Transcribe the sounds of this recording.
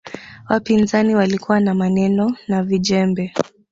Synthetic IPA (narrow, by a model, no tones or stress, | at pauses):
wapinzaniwalikuwanamanɛnɔnaviʄɛmbɛ